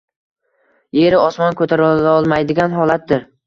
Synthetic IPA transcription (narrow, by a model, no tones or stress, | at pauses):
je̞ɾɪɒsmɒnkʰɵt̪ʰaɾalɒlˠmajd̪ɪɡʲanɦɒlat̪̚d̪ɪɾ